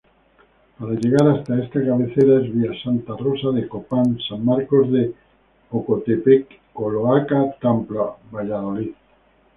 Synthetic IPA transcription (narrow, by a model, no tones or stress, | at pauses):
paɾaʝeɣ̞aɾast̪aest̪akaβeθeɾaezβiasant̪arosaðekopansammaɾkozðe | okot̪epekːoloakat̪amplaβaʎað̞oliθ